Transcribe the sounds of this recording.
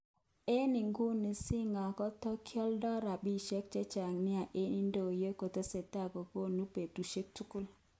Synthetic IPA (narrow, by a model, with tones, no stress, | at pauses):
e˦nɪ˨ŋɡu˦ni˨sɪ˦ŋa˨kɔ˦tɔ˦kʰjɔ˦ldɔ˦ɾa˨bi˦ʃe˦k̚t͡ʃɛ˦t͡ʃa˨ŋnɪ˦a˨ʔe˦ni˦ndo˨je˦ko˨te˦se˨ta˦˨ɡo˨ko˦nu˦pe˨tu˨ʃe˦k̚tu˦kʊ˦l